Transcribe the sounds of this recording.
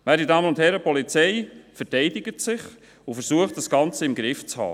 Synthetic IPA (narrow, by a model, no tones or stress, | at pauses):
ʋæːɾdidɑːmənʊnthɛɾəpɔlit͡sɛɪfəɾtɛɪdɪɡətsɪχ | ʊfəɾsuəχt̚d̥ɑsɡ̥ɑnt͡səɪmɡɾɪft͡shɑ̰ː